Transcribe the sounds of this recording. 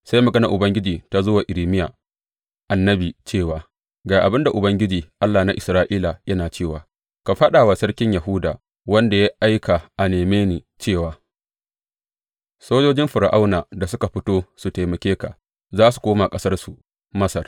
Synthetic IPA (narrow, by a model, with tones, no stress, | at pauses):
sa˦jmɐ˨ɡɐ˦na˨ʔʊ˨bɐ˦ŋɡʲɪ˦d͡ʒiː˨ta˨zoː˦waː˨ʔɪ˨ɾiː˨mɪ˦jaː˨ | ʔa˨nːɐ˦biː˨t͡ʃeː˦˨waː˨ | ɡaː˨ʔa˨bɪ˦nda˨ʔʊ˨bɐ˦ŋɡʲɪ˦d͡ʒiː˨ʔa˦lːaː˨na˦ʔɪ˨sɾaː˦ʔiː˦la˨jɐ˦naː˨t͡ʃeː˦˨waː˨ | ka˨ɸɐ˦ɗa˨wa˨sɐ˦rkʲɪ˦ɲja˨ɦʊ˦daː˨ | wɐ˦nda˨ja˦ʔa˦jka˨ʔa˨neː˨meː˦niː˨ | t͡ʃeː˦˨waː˨ | soː˦d͡ʒoː˦d͡ʒɪ˦mɸʊ˨ɾa˨ʔa˦wnaː˨da˨s̬ʊ˦ka˨ɸɪ˦toː˦su˨teː˨mɐ˨kʲeː˦ka̰˨ | zaː˦su̥˨kʷoː˦ma˨kʼɐ˦sɐ˦rsu˨ | mɐ˦sɐ˨r